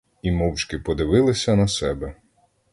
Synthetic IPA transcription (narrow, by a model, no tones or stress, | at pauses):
imɔwt͡ʃkɪpɔd̪ɪʋɪlˠɪsʲɐnɐsɛbɛ